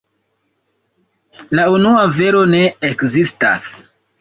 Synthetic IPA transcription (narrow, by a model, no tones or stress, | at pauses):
launuave̞ɾo̞ne̞ekzista̰s